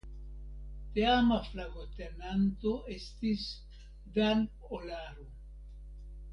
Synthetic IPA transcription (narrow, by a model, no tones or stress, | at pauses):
t̪eamaflaɡot̪enanto̞ʔe̞stis | daɾp | olaɾo